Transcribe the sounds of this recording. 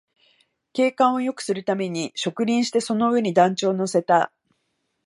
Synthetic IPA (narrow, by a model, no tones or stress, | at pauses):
ke̞ːkãɰ̃o̞jo̞kɯ̟̥sɨɾɯ̟t̪ame̞ɲ̟iɕo̞kɯ̟ɾʲĩɰ̃ɕi̥t̪e̞so̞no̞ɯ̟e̞ɲ̟id̪ãɲ̟t͡ɕo̞ːno̞se̞t̪a